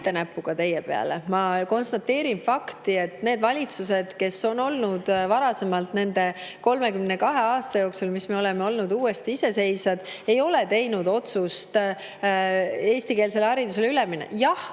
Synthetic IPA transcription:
t̪ːe̞næpːˑuɡ̥ɑt̪e̞jːepe̞ɑ̰le̞mɑko̞nst̪ɑt̪ːe̞ːɾinfɑkt̪ie̞t̪ːne̞ːd̪vɑlʲit̪sus̬e̞d̪̥ke̞so̞no̞lnud̪̥vɑɾɑse̞mɑlt̪ne̞nd̪e̞ko̞lme̞kymne̞kɑɦe̞ɑːst̪ɑjo̞ːksulmisme̞o̞lemeo̞lnud̪uːe̞st̪iise̞se̞jsɑd̪̥e̞jo̞le̞t̪e̞jnud̪o̞t̪sust̪ | e̞ːst̪ike̞ːlse̞lɑɾid̪us̬e̞lyleminḛjɑh

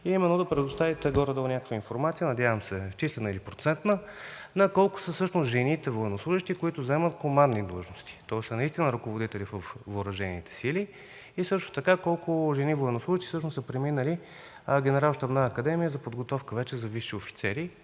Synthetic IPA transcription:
imɛnod̪ɐpɾɛd̪ost̪avit̪ɛɡɔɾəd̪olˠnʲakə̥kvəinfoɾmat̪sijənɐd̪ʲjavəmsɛft͡ʃislɛnəilipɾot̪sɛnt̪nənɐkɔlˠkʊ̥səsɤʃnosʒɛnit̪ɛvoɛnoslˠuʒiʃt̪ikoit̪ʊzɛmət̪komand̪ːid̪lˠəʒnost̪i̥t̪ɔsənɐist̪inəɾɐkovod̪it̪ɛlivəfːʊɾɐʒɛnḭt̪ɛ̥sili | isɤʃt̪ʊ̥t̪ɐkakɔlˠkʊʒɛnivoɛnoslˠuʒiʃt̪i̥sɤʃnosəpɾɛminəli | ɡʲɛnɛɾalˠʃt̪ɐbnaːkɐd̪ɛmijəzɐpod̪ɡot̪ɔfkəvɛt͡ʃɛzɐviʃiofi̥t̪sɛɾi

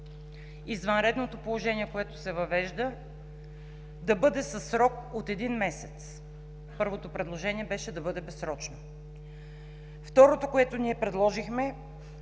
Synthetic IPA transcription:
izvɐnɾɛd̪not̪opolˠoʒɛniɛkoɛt̪osɛvɐvɛʒd̪ə | d̪ɐbɤd̪ɛsɐsɾɔkot̪ɛd̪inmɛsɛt̪s | pɤɾvot̪opɾɛd̪lˠoʒɛniɛbɛʃɛd̪ɐbɤd̪ɛbɛsɾɔt͡ʃno | ft̪ɔɾot̪okoɛt̪oniɛpɾɛd̪lˠɔʒixmɛ

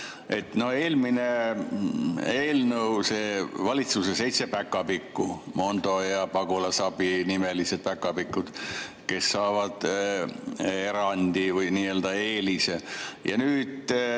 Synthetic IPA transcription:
e̞̰t̪no̞e̞ːlmine̞ | eːlnəwseːvɑlʲit̪susese̞jt̪se̞pækːˑɑpikːumo̞nd̪o̞jɑpɑɡulɑsɑbinimelise̞d̪̥̚pækːˑɑpikːˑud̪̥ | ke̞sːɑːvɑd̪̥ | e̞ɾɑnʲd̪ivɤjniːe̞ːld̪ɑe̞ːlisejɑ̰nyːd̪̥

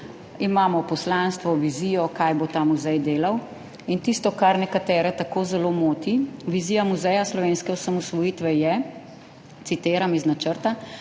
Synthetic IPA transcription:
imaːmɔpɔslanst̪ʋɔʋiziːjɔkajbot̪amuzɛjd̪eːlaw | int̪ist̪ɔkaɾnɛkat̪ɛːɾɛt̪akoːzɛloːmoːt̪iʋiziːjamuzɛjaslɔʋeːnskɛwsamɔsʋɔjiːt̪ʋɛjɛ | t̪sit̪eːɾamiznat͡ʃəɾt̪a

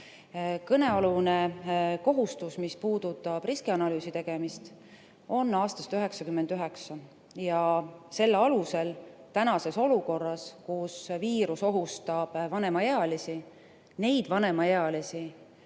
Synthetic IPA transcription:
kɤne̞ɑluneko̞ɦust̪usmispuːd̪̥ut̪ːˑɑb̥riskiɑnɑlyːsit̪e̞ɡ̥e̞mist̪ | o̞nːɑːst̪ɑst̪yɦe̞ksɑkymːend̪yɦe̞ksɑ | jɑse̞lːɑluse̞lt̪ænɑse̞so̞luko̞rːɑskusviːɾuso̞ɦust̪ɑb̥vɑne̞mɑjeɑlisi | ne̞jd̪̥vɑne̞mɑjeɑlisi

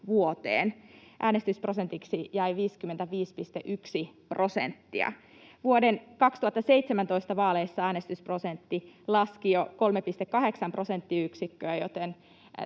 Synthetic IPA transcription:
ʋuot̪ḛːnʔæːnest̪ysprosent̪iksijæiʋiːskymːent̪æʋiːspist̪eʔyksiprosḛnt̪ːḭɑ̰ | ʋuodenkɑkst̪uhɑt̪ːɑseijt̪semænt̪o̞ist̪ɑʋɑːleisːɑæːnest̪ysprosent̪ːilɑskijoko̞lmepist̪ekːɑɦe̞ksɑmpro̞sent̪ːiyksikːøːjot̪en

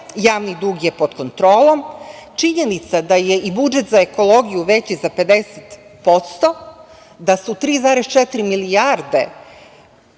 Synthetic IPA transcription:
jaːʋnid̪uɡje̞po̞d̪ko̞nt̪ɾo̞ːlˠo̞mt͡ʂiɲe̞nit̪sad̪ajeʔibud͡ʒet̪zaeko̞lˠo̞ɡijuʋet͡ɕizape̞d̪eset̪ | po̞t̪st̪o̞ | d̪asut̪ɾiːzaːɾest͡ʃɛt̪ɾimilijaɾd̪e̞

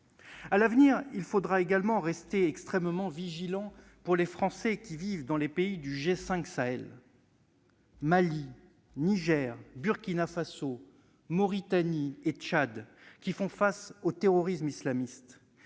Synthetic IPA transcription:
alavniʁilfod̪ʁaeɡalmɑ̃ʁɛst̪eɛkst̪χɛmmɑ̃viʒilɑ̃ | puʁlefχɑ̃sɛkʲivivd̪ɑ̃lepeid̪yʒesɛ̃ksaɛl | mali | niʒɛʁbyʁkʲinafaso | mɔʁit̪aniet͡ʃad̪kʲifɔ̃fasot̪eʁɔʁismislamist̪

